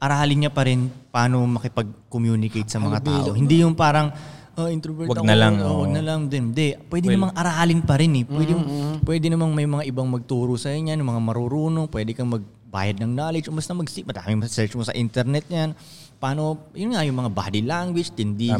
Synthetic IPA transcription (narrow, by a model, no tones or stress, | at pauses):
ʔɐɾaːlɪnɲapɐɾɪnpaːno̞mɐkɪpɐɡ̚komjuːnɪkejt̪̚sɐmɐŋat̪a̰ːʔo̞hɪnd̪ijʊnpaːɾɐŋʔɐʔɪnt̪opɛwɐɡnɐlɐŋowɐɡ̚nɐlɐŋd̪ɛnd̪ɛpwɛːd̪ɪnɐmaŋʔɐɾaːlɪnpɐɾɪnɛpwɛd̪ɪjŋpwɛːd̪ɪnɐmanmɐjmɐŋaʔɪbaŋmɐɡ̚t̪uːɾosɐɐɲanjʊŋmɐŋamɐɾuɾuːnoŋpwɛːd̪ɛkɐŋmɐɡ̚ | ba̰ːjɐd̪̚nɐŋnaːlɪd͡ʒʔombɐst̪ɐmɐɡsmɐd̪a̰ːmɪŋmɐsɐsɛɹt͡ʃmosɐ̰ʔint̪ɛɾnɛt̪̚ɲan | paːno̞jʊnŋɐjʊŋmɐŋabaːd̪ilaŋɡwɪd͡ʒt̪ɪnd̪i